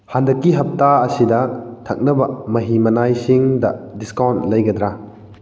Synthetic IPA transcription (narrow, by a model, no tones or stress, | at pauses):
handɐkːiɦɐp̚taɐsidɐtʰɐk̚nɐbɐmɐɦimɐnajsiŋdɐdiskawntlɐjɡɐd̪ɾa